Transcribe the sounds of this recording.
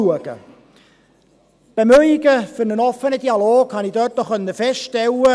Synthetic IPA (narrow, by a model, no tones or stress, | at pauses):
uəɡ̥ə̰ | b̥emœʏɪɡəfʏɾnənɔfənəd̥iːɑloːɡhɑnid̥øt̚ɔχœnːəfɛstʃtɛlːə